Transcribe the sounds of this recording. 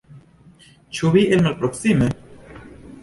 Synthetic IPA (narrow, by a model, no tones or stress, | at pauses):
t͡ʃuβiʔelmalpɾoksime